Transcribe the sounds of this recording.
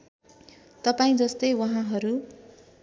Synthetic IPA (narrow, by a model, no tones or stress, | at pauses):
t̪ʌpaĩd͡zʌst̪ʌjwʌɦãɦʌɾu